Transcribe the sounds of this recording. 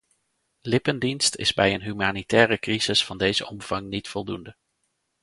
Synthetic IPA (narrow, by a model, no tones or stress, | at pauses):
lɪpəndinstɪ̰zbɛjənɦymaːnitɛːrəkrizɪsfɑndejzəɔmv̥ɑŋnitfɔlˠdundə